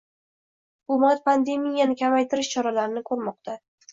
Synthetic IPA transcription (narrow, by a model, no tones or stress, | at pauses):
b̥ʊmat̪̚pʰand̪e̞mijːanɪkʲʰamajt̪ʰɪɾɪʃt͡ʃʰɒɾalaɾɪnɪkʰɵɾmɒqt̪ʰa